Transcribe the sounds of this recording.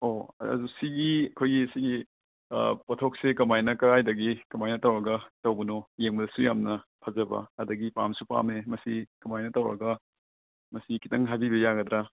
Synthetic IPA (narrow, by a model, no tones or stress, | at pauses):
oɐ̰dusiɡiɐkʰojɡiɐsiɡḭ | pɐtʰok̚sekɐmajnɐkɐɾajdɐɡikɐmajnɐtɐwɾɐɡɐtɐwbɐnojeŋbɐdɐsujamnɐpʰɐzɐbɐ̰ɐdɐɡipa̰msupa̰memɐsikɐmajnɐtɐwɾɐ̰ɡɐ | mɐsikitɐŋɦabibɐjaɡɐdɾa